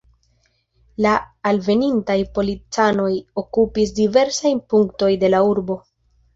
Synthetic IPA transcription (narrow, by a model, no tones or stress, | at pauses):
laːlve̞nintajpo̞lit͡sano̞jo̞kupis̬dive̞ɾsajnpuŋkto̞jde̞lauɾbo̞